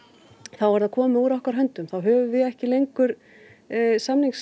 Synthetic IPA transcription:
θawvaɾðaðkʰɔːmɪuɾɔhkaɾɦœnt̪ʏmθawɦœːvʏvɪðɛhcɪlejŋkʏɾ̥ | samniŋks

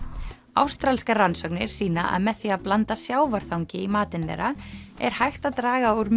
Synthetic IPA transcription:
a̰wst̪ɾalskaransœknɪɾ̥siːnaʔa̰ðmɛðθiaðplant̪asjaːwvaɾ̥θawɲcɪimaːt̪ɪnlɛ̰ɾaɛ̰ɾ̥hajxt̪aðt̪ɾaːɣauɾm

